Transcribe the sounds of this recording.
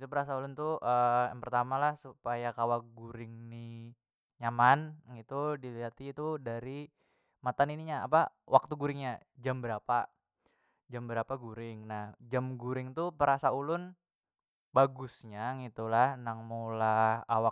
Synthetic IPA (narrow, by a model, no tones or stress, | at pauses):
it̪upəɾasaulʊnt̪uəjaŋpərt̪amalahsupajakawakɡuɾɪŋni | ɲamanɡit̪udiliɦat̪iːt̪udaɾi | mat̪aniniɲaa̰pawʔak̚t̪uɡuɾɪŋɲad͡ʒambəɾapa | d͡ʒambəɾapaɡuɾɪŋnahd͡ʒamɡuɾɪŋt̪upəɾasaulʊn | baɡʊsɲaŋit̪ulahnaŋmulahawak